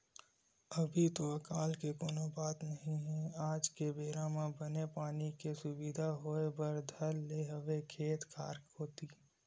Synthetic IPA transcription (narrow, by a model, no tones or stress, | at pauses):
ɐbʱit̪oɐkaːlkekoːnobaːt̪nɐɦĩɦɛ̃aːd͡ʒkebeːɾãmãbənepaːnikesʊbid̪ʱaɦoːebəɾd̪ʱɐɾːeɦəʋekʰeːt̪kʰa̰ːɾkɦoːt̪iː